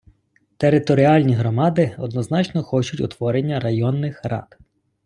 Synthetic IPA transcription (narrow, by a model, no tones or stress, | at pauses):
t̪eɾɪt̪ɔɾʲiɑlʲnʲiɦɾɔmɑd̪ɪɔd̪nɔznɑt͡ʃnɔxɔt͡ʃʊtʲʊ̰t̪ʋɔɾenʲːɐɾɐjɔnːɪxrɑ̰t̪